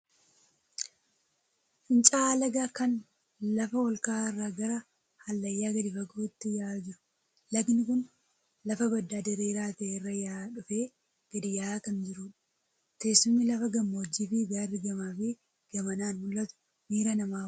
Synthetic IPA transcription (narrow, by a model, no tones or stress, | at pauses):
ɪnt͡ʃʼaːlɐɡaːkɐn | lɐfɐwɔlkaːɪrːaːɡɐɾɐ | hɐlːɐjːaːɡɐd̪ɪfɐɡuːɪt̪ːɪjaːd͡ʒɪɾʊ̥ | lɐknɪkʊn | lɐfɐbɐd̪ːaːd̪ɛɾeːɾaːt̪ɐʔerːɐjaːᶑʊfeː | ɡ̥ɐd̪ɪjaːkɐnd͡ʒɪɾʊᶑ | t̪eːsːʊmːɪlɐfɐɡɐmːoːd͡ʒːiːfiɡaːrːɪɡɐmaːfɪ | ɡ̥ɐmɐnaːnmʊlːɐt̪ʊ̥ | miːɾɐnɐmaː